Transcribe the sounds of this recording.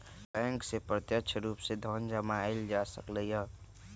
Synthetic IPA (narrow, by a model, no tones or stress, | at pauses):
bɛ̃ːŋksepɾət̪jəkʃʰəɾuːpsed̪ʱɔːnd͡ʒəmaɪld͡ʒasəkləijɦə